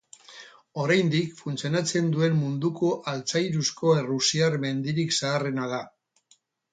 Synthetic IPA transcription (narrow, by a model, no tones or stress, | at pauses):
o̞ɾajnd̪ikfunt͡sio̞nat͡se̞nd̪ue̞mmund̪uko̞ʔalt͡sajɾusko̞e̞rusiaɾme̞nd̪iɾiksaːre̞nað̞a